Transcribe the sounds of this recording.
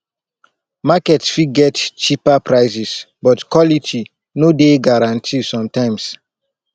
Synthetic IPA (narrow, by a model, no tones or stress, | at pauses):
makɛtsfiɡɛtt͡ʃipapɹaɪsisbɔtkwɔlitʰi | nodeɡaɾãntʰisɔ̃mtãɪ̃ms